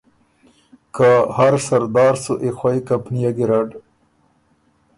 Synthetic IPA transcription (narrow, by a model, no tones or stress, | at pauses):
kahaɾsaɾd̪ɑːɾsuʔexwajkampnijaɡiɾaɖ